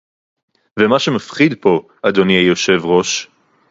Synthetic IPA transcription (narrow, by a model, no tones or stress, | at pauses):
vemaʃemafχid̪po̞ | ad̪oniajoʃe̞vʁo̞ʃ